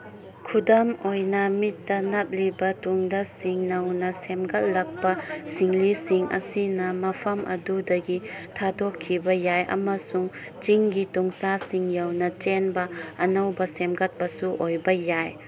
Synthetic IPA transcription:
kʰudɐmojnɐmitːɐnɐp̚libɐtuŋdɐsiŋnɐwnɐsemɡɐt̚lɐk̚pɐsiŋlisiŋʔɐ̰sinɐmɐpʰɐmʔɐ̰dudɐɡitʰadokʰːibɐjajʔɐ̰mɐsuŋ | t͡ʃiŋɡituŋsasiŋjawnɐt͡ʃenbɐɐnɐwbɐsemɡɐt̚bɐsuʔojbɐjaj

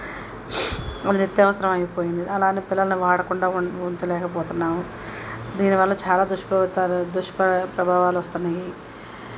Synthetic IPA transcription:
ɐd̪init̪ːjɐʋɐsɐɾɐmɐjipoːjind̪iɐlaːniːpilːɐlɐnuʋaːɽɐkuɳɖaːunt̪ilɛːkɐp̬ɔːt̪unːaːmu | d̪iːniʋɐlːɐt͡ʃaːlaːd̪uʂpɐt̪ːɐd̪uʂpɐpɾɐbʱaːʋaːluʋɐst̪unːɐji

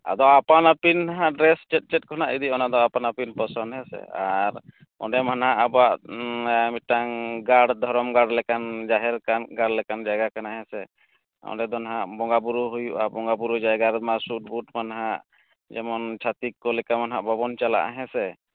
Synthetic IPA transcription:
a̰d̪ɔapanapinɦãʔɖɾɛst͡ʃɛt̚t͡ʃɛt̚kɔnaʔid̪iʔɔnad̪ɔapanapinpɔsɔnɦɛsɛ̰aɾ | ɔ̰ɖɛmanɦaʔabaʔ | mit̪̚ʈaŋɡaɽd̪ʱɔɾɔmɡaɽlɛkand͡ʒaɦɛɾkanɡaɽlɛkand͡ʒaɡakanaɦɛ̃sɛ | ɔ̰̃ɳɖɛd̪ɔnɦaʔbɔŋɡabuɾuɦujuʔabɔŋɡabuɾud͡ʒajɡaɾmasuʈ̚buʈ̚manɦaʔ | d͡ʒɛmɔnt͡ʃʰat̪ikːɔlɛkamanɦaʔbɔbɔnt͡ʃala̰ʔaɦɛ̃sɛ

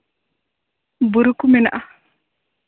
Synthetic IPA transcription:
buɾukuminaʔa

